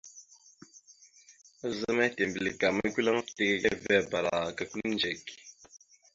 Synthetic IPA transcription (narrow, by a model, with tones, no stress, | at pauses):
zə˦mɛ˦te˨mbi˨li˨ɡa˨mə˦ku˦la˦ŋ˦fte˦ke˦kɛ˦vɛ˦˨ba˨ɾa˨ka˨ku˦nd͡ʒɛ˨ki˨